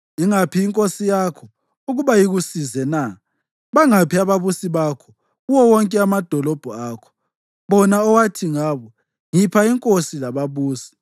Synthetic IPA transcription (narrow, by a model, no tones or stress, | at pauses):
iŋapʰiːŋkʼosijakʰɔ | uɣuβajiɣusizɛna | βaŋapʰiaβaβusiβakʰɔ | uwɔwɔŋkʼɛamad̥ʱɔlɔb̥ʱɔakʰɔ̥ | βɔnaɔwatʰiŋaːβɔ | ŋipʰaiŋkʼosilaβaβuːsi̥